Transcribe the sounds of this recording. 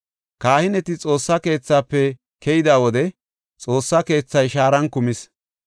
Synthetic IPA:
kaːhɪnɛt̪ɪt͡sʼo̞ːsːɐke̞ːt͡sːaːpːɛ | kʰɛjɪd̪aːwɔd̪ɛ | t͡sʼo̞ːsːɐke̞ːt͡sːɐjʃaːɾɐnkʊmɪs

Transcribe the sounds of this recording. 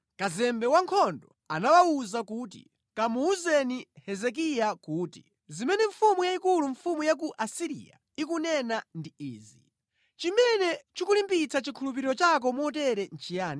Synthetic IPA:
kazɛmbɛwaŋkʰɔndɔ | a̰nawauzakuːtḭ | kamuːzɛnihɛzɛk̬ijakuːti̥̰ | zimɛnɛɱfumujaikuluɱfumujak̬uʔasiɾḭja̰ | ik̬unɛnandiiːzi | t͡ʃimɛnɛt͡ʃukulimpit͡sʰat͡ʃikʰulup̬iɾiɾɔt͡ʃak̬ɔmuɔt̬ɛɾɛn̩t͡ʃʰijaːni

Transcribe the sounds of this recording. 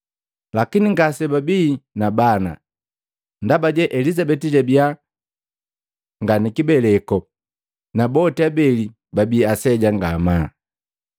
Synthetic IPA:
lakiniŋɡasɛbabiːnabana̰ | ndabaɟɛʔɛlizabɛtiɟɛbia | ŋɡanikibɛlɛkɔ | nabɔtɛabɛli | babiːasɛɟaŋɡamaː

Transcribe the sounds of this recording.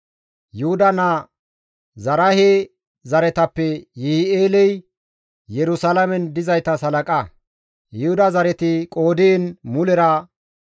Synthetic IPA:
jʊhʊd̪ɐnɐ | zɐɾɐhe | zɐɾɛt̪ɐpːɛjɪhɪeːlɛj | jɛɾʊsalɐmɛnd̪ɪzɐjt̪ɐsɐlɐkʼɐ | jɪhʊd̪ɐzɐɾɛt̪ɪkʼo̞ːd̪enmʊlɛɾɐ

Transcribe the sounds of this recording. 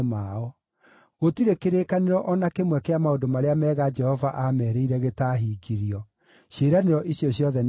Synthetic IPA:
maɔ | ɣotiɾekeɾekaneɾɔʔɔnakemwɛkeamaodomaɾeamɛːɣad͡ʒɛhɔvaʔamɛɾeiɾɛɣetaːɦiːɡiɾiɔ | ɕeɾaneɾɔʔiɕjɔɕjɔðɛn

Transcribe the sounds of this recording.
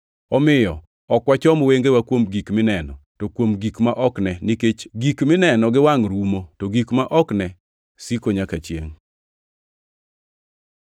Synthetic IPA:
ɔmɪjɔ | ɔkwat͡ʃɔmweŋɡewakwomɡikmɪnɛnɔtokwomɡikmaʔɔknɛnɪket͡ʃɡikmɪnɛnɔɡɪwaŋɾumotoɡikmaʔɔknɛ | sikoɲakat͡ʃjḛŋ

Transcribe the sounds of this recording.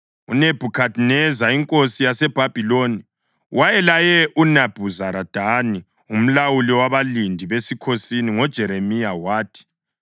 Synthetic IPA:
ṵneb̥ʱukʰadʱnɛzaiŋkʼosijasɛb̥ʱab̥ʱiloni | wajɛlajɛʔunab̥ʱuzaɾad̥ʱani | um̩lawuliwaβalindʱiβesikʰosiniŋɔd̥ʒ̥ʱɛɾemijawaːtʰi̥

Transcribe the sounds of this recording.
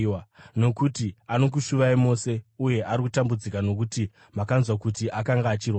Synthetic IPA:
no̞kutiano̞k̬uʃuʋaimo̞se̞uje̞ʔaɾikutambud͡zikano̞k̬uti | makanzwakutiʔakaŋɡaːt͡ʃirwa

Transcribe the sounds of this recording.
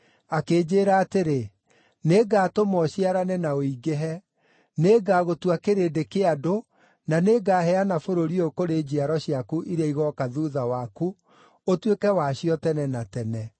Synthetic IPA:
akeːd͡ʑeːɾaːteɾe | neɡatomɔɕiaɾanɛnaoiɡeɦɛ | neːɡaːɣotuakeɾeːdekeado | naneɡaːhɛanafoɾoɾiokoɾed͡ʑiaɾɔɕiakuʔiɾaiɣɔkaðuðawaku | otwekɛwaɕijɔtɛnɛnatɛnɛ

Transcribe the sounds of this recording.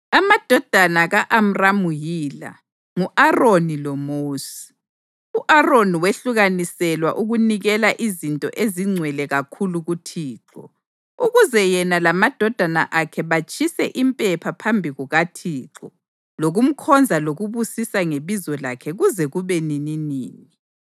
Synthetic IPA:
amad̥ʱɔd̥ʱanaɣaʔam̩ramujiːla̰ | ŋuʔaronilɔmoːsi̥ | uʔaroniweɬuɣanisɛlwa̰ʔuɣuniɣɛlaʔizintʼɔ̰ʔeziŋ͡ǀʱwɛlɛɣakʰuluɣutʰiːǁɔ̰ | uɣuzɛjɛnalamad̥ʱɔd̥ʱana̰ʔakʰɛβat͡ʃʼʰisɛʔimpʼɛpʰapʰambʱiɣuɣatʰiːǁɔ | loɣum̩kʰɔnd͡zʱaloɣuβusisaŋeβizɔlakʰɛɣuzɛɣuβenininiːni

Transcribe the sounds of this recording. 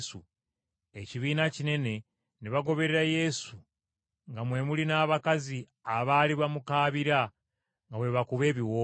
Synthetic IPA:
su | e̞ciβiːnacine̞ne̞ | niβaɡo̞βe̞ɾeɾaje̞su | ŋɡamwe̞mulinaːβakazi | aβaːliβamukaːβiɾa | ŋɡawe̞βakuβe̞ːβiwo

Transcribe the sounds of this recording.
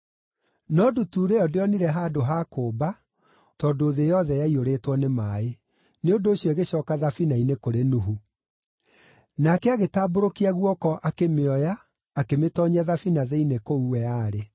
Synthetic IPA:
nɔdutuːɾeɔdeɔniɾɛɦaːdoɦakoːba | tɔːdoːðejɔðɛjaioɾetwɔnemaːe | neondoːɕjɔeɣeɕɔːkaðafinainekoɾenuɦu | nakɛaɣetaːboɾokiaɣwɔkɔʔakemeɔjaː | kemetɔɲaðafinaðɛinekouwɛaːɾe

